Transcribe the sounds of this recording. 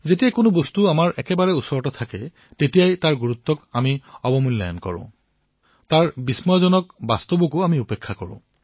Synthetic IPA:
zetijakʊnʊbɔstuamaɹʔɛkɛbaɹɛusɔɹɔtat̪ʰakɛ | tetijajtaɹɡuɹut̪ːɔkamiɔbɔmulːa̰jɔnkɔ̰ɹʊ̰̃ | taɹbismɔjɔzɔnɔkbast̪obukʊamiupekʰːakɔ̰ɹʊ̰̃

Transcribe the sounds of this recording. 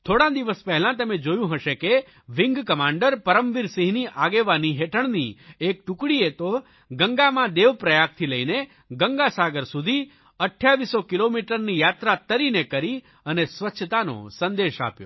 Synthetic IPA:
t̪ʰoɽãd̪iʋəspɛɦɛlãt̪əmed͡ʒojũɦəʃeke | ʋiŋɡkəmaɳɖəɾpəɾəmʋiɾsiɦniʔaɡeʋaniɦeʈʰəɳniek̚ʈukɽiet̪o | ɡəŋɡamãd̪eʋpɾəjak̚t̪ʰiləine | ɡəŋɡasaɡəɾsud̪ʱi | əʈʰjaʋisokilomiʈəɾnijat̪ɾat̪əɾinekəɾi | ənesʋətːʃʰət̪ano̰sənd̪eʃa̰pjo̰

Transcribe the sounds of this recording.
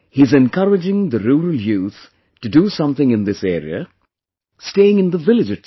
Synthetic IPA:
hizɛ̃nkʰʌɹɨd͡ʒɪ̃ŋðɨɾuːɹəljuːθ | tɨdɨsʌ̃mθɪ̃ŋɨ̃nd̪ɪseːɹḭə̰ | steɪɪ̃ŋɨ̃nd̪əvɪlɨd͡ʒʌ

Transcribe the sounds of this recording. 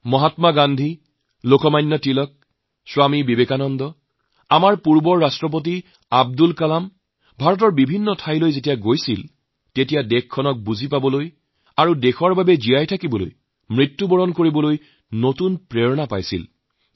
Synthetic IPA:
mɔɦatmaɡandʱi | lokɔmajnːɔtilɔk̚ | swamibibekanɔndɔ | amaɹpuɹbɔɹːastɹɔp̬ot̬i | ab̚dulkalam | bʱaɹɔt̬ɔɹbibʱinːɔtʰajlojzetijaɡojsil | tetijadɛkʰːɔnɔk̚buzipabɔloj | aɹudexɔɹbabɛzijajtʰakibɔlo̰j | mɹitːubɔɹɔnkoɹibɔloj | notunpɹeɹɔnapa̰jsḭl

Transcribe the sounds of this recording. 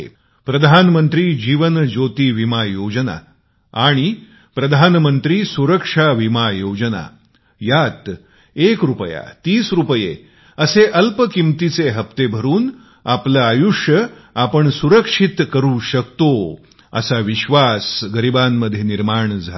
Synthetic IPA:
pɾəd̪ʱanmənt̪ɾiːd͡ʑiʋənd͡ʑot̪iːʋimajod͡ʑəna̰ | aɽ̃i | pɾəd̪ʱanmənt̪ɾiːsuɾəkʂaʋimajod͡ʑəna̰ | jat̪ | ekɾupəja̰t̪iːsɾupəjḛ | əseʔəlpəkimt̪it͡seɦəpt̪ebʱəɾuːn | aplaːjuʂjəapəɳsuɾəkʂit̪kəɾuːɕəkt̪o | ə̰saʋiɕʋasɡəɾibamːəd̪ʱjeniɾmaɳd͡zʱa

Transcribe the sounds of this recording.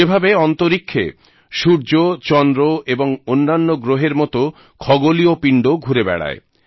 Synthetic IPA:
ebʱabeɔnt̪oɾikʰːḛ | ʃuɾd͡ʑot͡ɕɔnd̪ɾoeboŋonːanːoɡɾoɦeɾmɔt̪o | kʰɔɡoliopiɳɖoɡʱuɾebɛ̰ɽa̰e

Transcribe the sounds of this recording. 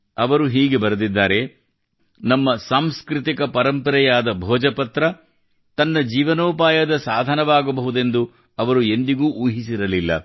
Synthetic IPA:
ɐʋɐɾuɦiːɡe̞bɐɾɐd̪id̪ːaːɾe̞ | nɐmːɐsaːmskɾit̪̬ikɐpɐɾɐmpɐɾɐjaːd̪ɐbʱɔːd͡ʒɐpɐt̪ɾɐ | t̪ɐnːɐd͡ʒiːʋɐnoːpaːjɐd̪ɐsaːd̪ʱɐnɐʋaːɡɐbɐɦud̪end̪u | ɐʋɐɾue̞nd̪iɡuːʔuːɦisiɾɐlilːɐ̰

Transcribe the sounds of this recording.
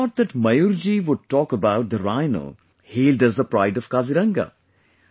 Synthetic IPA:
ɔʈ̚d̪əʈmɐjuɾd͡ʒiʋʊɖ̚ʈɔːkəbaʊʈ̚d̪əɾaɪnə̰l | heːldʌzd̪əpɾaɪɖɔv̥kaziɾɐ̃ŋɡa̰

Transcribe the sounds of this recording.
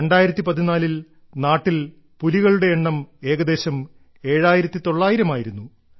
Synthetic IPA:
eɳɖaːjiɾɐt̪ːipɐðinaːlil | naːʈːil | puliɣɐɭuɽe̞ːɳːɐme̞ːɣɐd̪e̞ːɕɐm | e̞ːɻaːjiɾɐt̪ːit̪o̞ɭːaːjiɾɐmaːjiɾunːu

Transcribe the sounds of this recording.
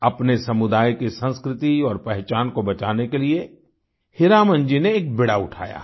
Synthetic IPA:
ɐpnesɐmʊd̪aːjkisə̃nskɾɪt̪iɔːɾpɛɦt͡ʃaːnkobɐt͡ʃaːnekelie | hɪɾaːmə̃nd͡ʒineːk̚bɪɽaʊʈʰa̰ːja̰ː

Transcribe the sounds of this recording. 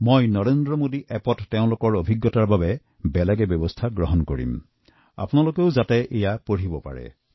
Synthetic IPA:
mojnɔɹendɹɔmodiʔɛpɔtːeʊ̃lʊkɔɹobʱiɡːɔtaɹbabɛ | bɛlɛɡɛbɔbɔstʰaɡɹɔɦɔnkoɹḭm | a̰pʊnalokeʊzatɛʔejapoɹibɔpa̰ɹɛ̰

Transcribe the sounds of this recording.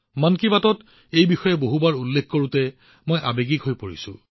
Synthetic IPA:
mankibatɔt | ejbixɔjɛboɦubaɹulːekkoɹutɛ | mojʔabeɡikɦojpoɹḭsʊ̰̃

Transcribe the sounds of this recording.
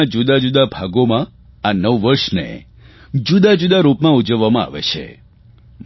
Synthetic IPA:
ad͡ʒud̪ad͡ʒud̪abʱaɡomã | anəʋːəɾʃnḛ | d͡ʒud̪ad͡ʒud̪aɾupmãud͡ʒəʋːamãa̰ʋḛt͡ʃʰḛ

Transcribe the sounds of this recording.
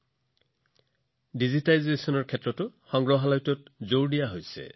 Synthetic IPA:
dizitajzesɔnɔɹkʰɛtɹɔtʊxɔŋɡɹɔɦalajtɔtzowɹdijaɦojsɛ̰

